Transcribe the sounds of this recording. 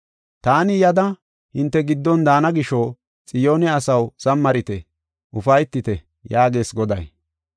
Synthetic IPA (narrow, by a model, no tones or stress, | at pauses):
t̪aːnɪjɐd̪ɐ | hɪnt̪ːɛɡɪd̪ːɔnd̪aːnɐɡɪʃoː | t͡sʼɪjo̞ːnɛɐsɐwsɐmːɐɾɪt̪ɛ | ʔʊfɐjt̪ːɪt̪ɛ | jaːɡe̞ːsɡɔd̪ɐj